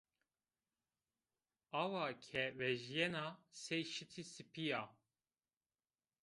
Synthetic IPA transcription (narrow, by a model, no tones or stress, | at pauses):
ɑwɑkʲʰɛvɛʒijɛnasɛjʃɨt̪ʰisɨpija